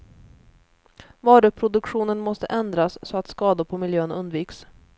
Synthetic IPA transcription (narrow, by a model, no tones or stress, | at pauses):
vɑːɾɵpʰɾʊd̪ɵkɧuːnənmɔst̪əʔɛnd̪ɾasːɔat̪skɑːd̪ʊɾpʰɔmɪljøːənɵnd̪viːks